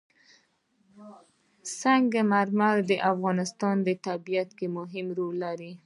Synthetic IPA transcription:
saŋɡamaɾmaɾd̪əʔafɣɑnɪst̪ɑnd̪ət̪abijat̪kemʊɦɪmɾolːaɾi

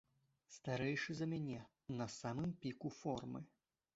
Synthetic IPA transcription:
st̪aɾɛjʂɨzɐmʲanʲɛ | nɐsamɨmpʲikufɔrmɨ̰

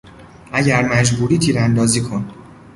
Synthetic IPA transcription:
ʔæɟæɾmæd͡ʒbuːɾiːt̪ʰiːɾænd̪ɒːziːkʰo̞n

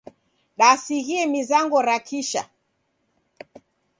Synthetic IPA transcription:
ɗasiɣiɛmizaŋɡɔɾakʰiʃa̰

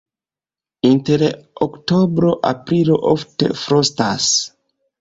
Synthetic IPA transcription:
inteɾoktobɾo̞ʔapɾilo̞ʔofte̞̰fɾostas

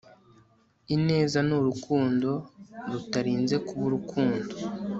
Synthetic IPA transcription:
ine̞ːzanuɾukʰuːndo̞ɾutaɾiːnze̞kuβuɾukʰuːndo̞

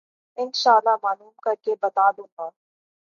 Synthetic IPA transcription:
ɪnʃaːlːamaːnuːmkɐɾkebɐt̪aːb̪ot̪aː

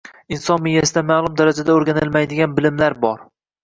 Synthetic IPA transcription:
ɪnsɒnmɪjasɪd̪amaːlˠʊmd̪aɾad͡ʒad̪aoɾɡʲanɪlmajd̪ɪɡʲanbɪlɪmlaɾbɒɾ

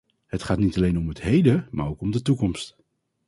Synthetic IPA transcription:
hətχaːtnitalejnɔmɦətɦejdəma̰ːɹowkɔmdətukɔmst

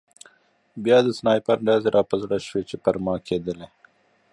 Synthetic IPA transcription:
bjɑːd̪əsnɑːjpɐɾɖaːzeɾʔɑːpəzɽaʃwet͡ʃepɐɾmɑːkʰeːd̪əle

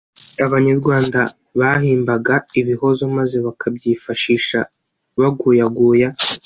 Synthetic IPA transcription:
aβaɲaɾɡwaːnda | βahiːmbaɡaiβiho̞zomaze̞βakʰabɟiːfaʃiːʃa | βaɡuːjaɡuːja

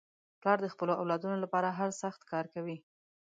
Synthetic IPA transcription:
plɑɾd̪əxpəloawlɑd̪unolapɑɾaɦaɾsaxt̪kɑɾkawi

